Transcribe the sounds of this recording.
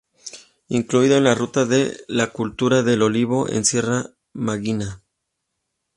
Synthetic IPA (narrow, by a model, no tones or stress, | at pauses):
iŋkluiðoenlarut̪aðḛlakult̪uɾaðe̞lo̞liβ̞o̞ʔḛnsje̞ra | maɣina